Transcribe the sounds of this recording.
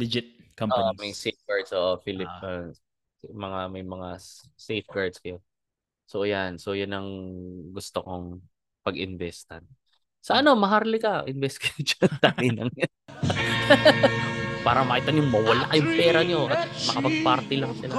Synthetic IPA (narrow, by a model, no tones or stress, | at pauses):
d̪ɪd͡ʒɪt̪̚kɐʔoʔomɐjsejfɡaɹd̪sʔoːʔofilɪp̚ːɐ | mɐŋamɐjmɐŋasejfɡaɹd̪skɐjo | sojanso̞jʊnɐŋɡʊst̪okoŋ | pɐɡɪnvɛst̪ɐn | sɐʔɐno̞mɐɦaɾlɪkɐʔɪnvɛst̪̚kɐjod͡ʒɐt̪anɪnɐŋjɐ | paːɾɐmɐʔɪt̪anjʊŋmɐwɐlakjʊŋpɛːɾɐɲo̞ʔɐt̪mɐkɐpɐɡ̚paɾt̪ɪlɐŋsɪla